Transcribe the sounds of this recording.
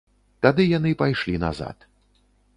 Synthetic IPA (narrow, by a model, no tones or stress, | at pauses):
t̪ad̪ɨjanɨpajʂlʲina̰za̰t̪